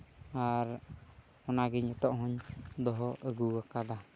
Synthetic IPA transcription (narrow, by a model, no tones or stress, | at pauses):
aɾ | hɔnaɡiɲɛt̪ɔʔɦɔɲd̪ɔɦɔəɡuwakad̪a